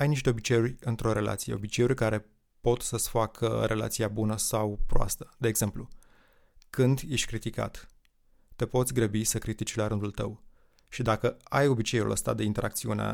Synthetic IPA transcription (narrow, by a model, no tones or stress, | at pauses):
ajniʃt̪e̞o̞bit͡ʃe̞urʲɨnt̪ɾo̞ɾe̞la̰t̪sije̞o̞bit͡ʃe̞urʲkaɾe̞ | po̞t̪səsfakʰə̰ɾʔe̞la̰t̪siabunəsawpɾoa̰st̪ə̥d̪e̞ːɡz̥e̞mplu | kɨnd̪je̞ʃt̪ʲkɾit̪ika̰t̪ː | e̞po̞t̪sʲɡɾəbisəkɾit̪it͡ʃʲlaɾɨnd̪ult̪ə̰w | ʃid̪akəajo̞bit͡ʃe̞jṵlʔə̰st̪a̰d̪e̞int̪e̞ɾʔak̚t̪siunḛ